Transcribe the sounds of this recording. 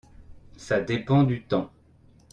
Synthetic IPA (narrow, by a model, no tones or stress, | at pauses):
sad̪epɑ̃d̪yt̪ɑ̃